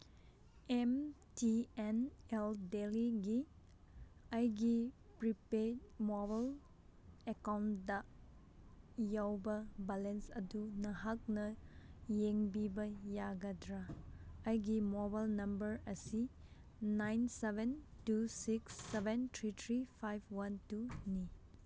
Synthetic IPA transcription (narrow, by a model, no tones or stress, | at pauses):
em | tieneldeliɡi | ajɡi | pɾipemobal | ekawntdɐ | jawbɐbalensɐ̰dunɐɦak̚nɐjeŋbibɐjaɡɐdɾaː | jɡimɔbajlnɐmbɐɾɐsi | najnsebentusiksːebʱentʰɾitʰɾipʰajbʰwantuni